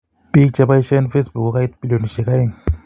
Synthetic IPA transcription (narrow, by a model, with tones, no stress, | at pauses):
b̥i˦kt͡ʃa˨ba˦i˦ʃa˦nfe˦sbu˨ku˦ka˦i˦t̪bi˦lɔ˨nʃɛ˨ka˦i˦n